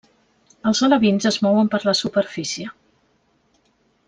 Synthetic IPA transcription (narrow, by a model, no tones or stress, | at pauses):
əlˠzələβinzəzmɔwəmpəɾləsupəɾfisiə